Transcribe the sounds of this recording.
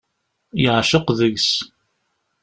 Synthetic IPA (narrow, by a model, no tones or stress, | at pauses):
jəʕʃəqðəʝs